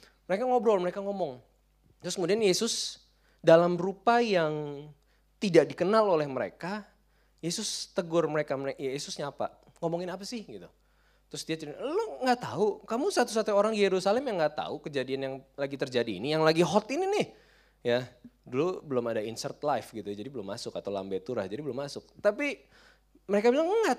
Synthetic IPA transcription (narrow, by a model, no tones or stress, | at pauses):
məɾekaŋɔbɾɔlməɾekaŋɔmɔŋ | t̪ɾʊskəmudianjesʊs | dalamrupajaŋ | t̪idaʔdikənalolɛhməɾḛka | jesʊst̪əɡʊrməɾekaməɾejajesʊsɲaːpa̰ | ŋɔmɔŋɪnapasɪhɡit̪u | t̪ɾʊsdiat͡ʃuɾiloŋɡaʔt̪aukamusat̪us̬at̪uoɾaŋjeɾusalɛmjaŋɡaʔt̪a̰ukəd͡ʒadianjaŋlaɡit̪ərd͡ʒadḭːnijaŋlaɡiɦɔt̪ininɪh | jadulubəlʊmadainsərt̪lajfɡit̪ud͡ʒadibəlʊmːasʊkat̪awla̰mbɛt̪uɾa̰hd͡ʒadibəlʊmːasʊk̚t̪api | məɾekabilaŋŋat̪̚